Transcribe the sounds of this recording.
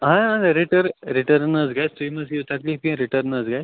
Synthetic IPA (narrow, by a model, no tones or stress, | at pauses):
ɦãə̃nɾiʈəɾɾiʈəɾnəd͡zɡajst̪uiməsit̪akliːpĩɾiʈəɾnəzɡajs